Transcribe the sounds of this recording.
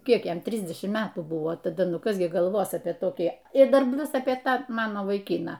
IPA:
ˈkʲiɛk ˈjɛm ˈtʲrʲɪzʲdʲɛʃʲɪmt ˈmʲæːtuː ˈbʊʋoː tɐˈdɐ ˈnʊ ˈkɐs ɡʲɪ ɡɐlˠˈʋoːs ɐpʲiɛ toːˈkʲiː ɪr ˈdɐr ˈpʲlʲʊs ɐpʲiɛ ˈtɑː ˈmɑːnoː ʋɐɪˈkʲiːnɑː

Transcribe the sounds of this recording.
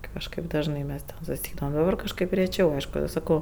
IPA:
ˈkɑːʃkɐɪp ˈdɑːʒnɐɪ ˈmʲɛs tʲɛn sʊsʲɪˈɛɪdɐʋɐm oː ˈdɑːbɐr kɐʃˈkɐɪp rʲɛˈt͡ʃʲɛʊ ˈɐɪʃkʊ sɐˈkɐʊ

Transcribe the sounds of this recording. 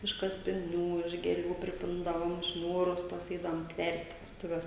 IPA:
ɪʃ kɐsʲpʲɪˈnʲuː ɪʃ ɡʲeːˈlʲuː pʲrʲɪˈpʲɪndɐʋoːm ˈʃʲnʲuːrʊs tuɔs ˈɛɪdɐʋoːm ˈtʲʋʲɛrʲtʲ ʋʲɛstʊˈʋʲɛs

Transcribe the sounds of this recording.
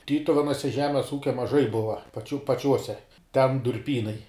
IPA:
ˈtʲiːtʊʋʲɛnuɔsʲɛ ˈʒʲæːmʲɛs ˈuːkʲɛ mɐˈʒɐɪ ˈbʊʋɐ pɐˈt͡ʃʲuː pɐˈt͡ʃʲuɔsʲɛ tʲɛn dʊrʲˈpʲiːnɐɪ

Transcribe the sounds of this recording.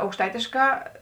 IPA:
ɐʊkʃˈtɐɪtʲeːʃkɑː

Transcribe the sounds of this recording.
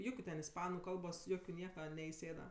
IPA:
ˈjʊkʲʊ tʲɛn ɪsˈpɑːnʊ ˈkɐlˠboːs ˈjoːkʲʊ ˈnʲiɛkɐ nʲɛɪˈsʲeːdɐ

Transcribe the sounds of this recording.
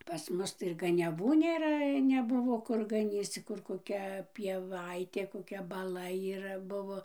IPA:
pɐs ˈmʊs ˈtɐɪ ɪr ɡɐnʲɛˈʋuː nʲeːˈrɐ nʲɛˈbʊʋoː ˈkʊr ɡɐˈnʲiːt͡s t͡sʲɪk ˈkʊr koːˈkʲɛ pʲiɛˈʋɐɪtʲeː koːˈkʲɛ bɐˈlˠɐ iːˈrɐ ˈbʊʋoː

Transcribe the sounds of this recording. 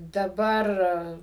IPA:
dɐˈbɐr

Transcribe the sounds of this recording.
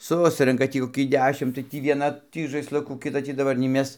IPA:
ˈsʊsʲrʲɛŋkɐ ˈtʲiː koːˈkʲiː ˈdʲæːʃʲɪm tɐɪ ˈtʲiː ʋʲiɛˈnɐ ˈtʲiː ʒɐɪsˈlˠʊkuː kʲɪˈtɐ ˈtʲiː dɐˈbɐr nʲɛɪ ˈmʲɛs

